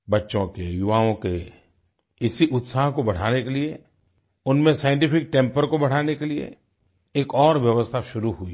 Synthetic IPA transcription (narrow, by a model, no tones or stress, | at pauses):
bɐtːʃõkejʊʋaːõke | ɪsiʔʊt̪saːɦkobɐɽ̤aːnekelie | ʊnmẽsaːjɪ̃ɳʈɪfɪk̚ʈɛ̃ːmpəɾkobɐɽ̤aːnekeliḛ | eːkɔːɾʋjɐʋəst̪ʰaʃʊɾuɦuḭ